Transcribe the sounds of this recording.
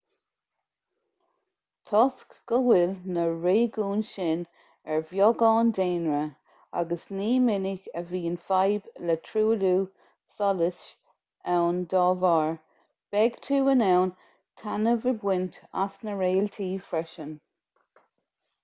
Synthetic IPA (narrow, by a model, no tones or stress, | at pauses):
t̪ʰɔskɡ̥əwɪlnəɹeːɡuːnʃɪn | ɛɹvjɔɡɑːndeːnɹə | a̰ɡəsniːmɪnɪɡəviːənfajblətʰɹuːluː | sɔlɪs | ɛwndɑːvɑːɹ | b̥ɛɡ̥tʰuːənɛwn | tʰanəvəbwɪnta̰snəɹeːlt̪ʰiːfɹɛʃən